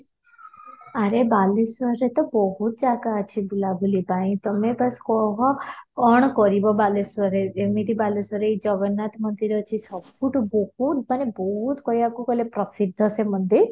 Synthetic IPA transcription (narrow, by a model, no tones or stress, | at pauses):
aɾebalesʋɔɾet̪ɔbɔɦut̪̚d͡ʒakaːt͡ʃʰibulabulipaĩt̪ɔmebaskɔɦɔɔɳ̃kɔɾibɔbaleswɔɾeemit̪ibaleswɔɾeid͡ʒɔɡɔnːat̪mɔnd̪iɾɔt͡ʃʰisɔbuʈubɔhut̪mañebɔɦut̪kɔjakukɔlepɾɔsid̪ʱːɔsemɔnd̪ʱi